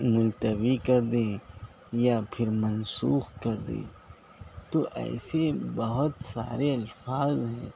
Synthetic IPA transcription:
mʊlt̪əbikɐɾd̪ẽː | japʰɪɾmɐnsuːxkɐɾd̪ḛ̃ː | t̪oʔɛ̰ːsebɐɦʊt̪sa̰ːɾeɐlfaːzɦɛ̃ː

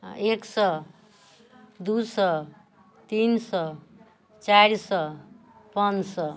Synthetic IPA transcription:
eksʌ | d̪usʌ | t̪insʌ | t͡saɾsʌ | pʌnsʌ

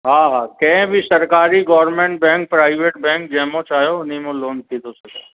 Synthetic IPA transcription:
ɦaːɦaːkɐ̃bʱɪsɐɾkaːɾiɡɔːɾɾmẽːɳʈ̚bɛ̃ːŋk̚pɾaːɪʋeːʈ̚bɛ̃ːŋk̚d͡ʑɐ̃ɦmõt͡ʃaːɦjoʊn̤imõloːnt̪ʰĩːt̪ose

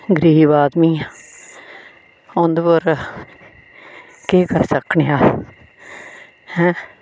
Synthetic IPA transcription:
ɡɾiːʋaːd̪miːa | ʊ̃nd̪pəɾ | keːkəɾsəkʰɳeaː | hɛ̃ː

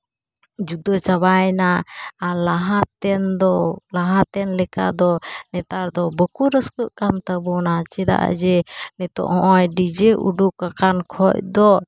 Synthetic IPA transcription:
d͡ʒud̪ɔt͡ʃaβajnaːlaɦat̪ɛnd̪ɔlaɦat̪ɛnlɛka̰d̪ɔnɛt̪aɾd̪ɔbəkuɾəskəʔkamt̪əbɔnat͡ʃɛd̪a̰ʔa̰d͡ʒɛnɛt̪ɔ̰ʔhɔ̃ʔɔjɖid͡ʒɛʔṵɖukakankʰɔc̚d̪ɔ

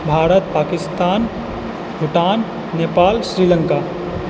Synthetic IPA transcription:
bʱaːɾət̪̚paːkɪst̪aːn | bʱʊʈaːnː | eːpaːlsɾiːləŋkaː

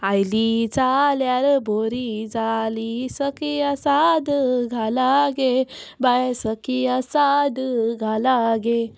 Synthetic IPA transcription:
ajlid͡zaljaɾbʱoɾid͡zalisəkiasad̪ɡʱalaɡebajsəkiasad̪ɡʱalaɡe

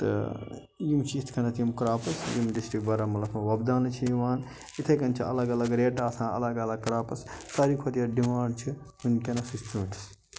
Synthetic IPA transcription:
t̪ɐ̰ | jimt͡ʃʰiit̪ʰkʰɐnɐt̪ʰimkɾaːpɐsjimɖisʈɾikbɐɾamɐlɐkʰmɐwɐbd̪aːnɨt͡ʃʰijiʋaːn | it̪ʰɐjkɐnt͡ʃʰiɐ̰lɐɡɐlɐɡɾeːʈaːsãːɐ̰lɐɡɐlɐɡ̚kɾaːpɐssɐɾikʰot̪ijɐɖimaːɳɖt͡ʃʰi | hunkʲɐnɐsist̪ʰumiʈɐ̥s

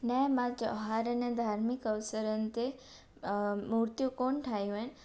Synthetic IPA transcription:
nɛmãd͡ʒəɦaɾəned̪ʱaɾmikəʋsəɾənt̪e | muɾt̪jukoɳʈʰajũen

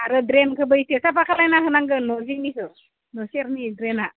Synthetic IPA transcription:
aɾɯdɾenkʰɯbɯjitʰesapakʰalajnaɦɯnaŋɡɯnɔzinikʰɯ | nɔseɾnidɾena

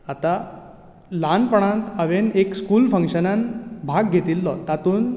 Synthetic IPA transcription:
at̪a | lanpəɳ̃ãnt̪aʋenekskuːlfə̃ŋkɕənanbʱaɡɡʱet̪ilːɔt̪at̪uːn

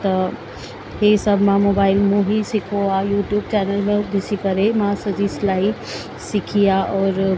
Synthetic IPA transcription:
t̪ɐ | hesɐbʱmãmoːbaːɪlmũɦisɪkʰoajuːʈjuːbt͡ɕɛːnəlmẽb̪ɪsikɐɾemãsɐd͡ʑiːslaːi | sɪkʰijaʔɔːɾ

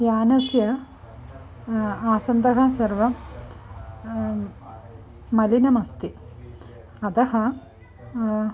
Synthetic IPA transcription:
jaːnɐsjɐ | aːsɐnd̪ɐɦasɐɾʋɐ | mɐlinɐmɐst̪i | ɐt̪ɐɦɐ

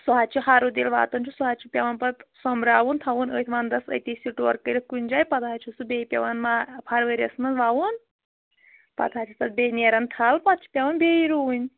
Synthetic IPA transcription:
suɦaːt͡ʃʰuɦaːɾud̪iːlʋa̰ːt̪ɐnt͡ʃʰusuɦaːt͡ʃʰupʲɐʋɐnpɐt̪sɔmɾaːʋunt̪ʰɐʋunə̰ːt̪ʰʋaːnd̪ɐsɐ̰t̪iːsʲiʈoːɾkəɾʲikunʲd͡ʒaːjpɐt̪aːt͡ʃʰusubʲeːpʲɐʋɐnmapʰɐɾʋəɾʲɐ̰smɐnzʋaːʋun | pɐ̰t̪ʰaːt͡ʃʰut̪ɐt̪̚bʲeːnʲeːɾɐnt̪ʰalpɐt̪̚t͡ʃʰu̥pʲɐʋɐnbeːiɾuunʲ

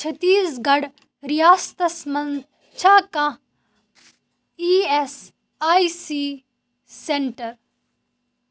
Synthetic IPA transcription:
t͡ʃʰɐt̪iːsɡɐɽ | ɾijaːst̪ɐsmɐn | t͡ʃʰaːkã | iːes | aːisiː | seɳʈɐɾ

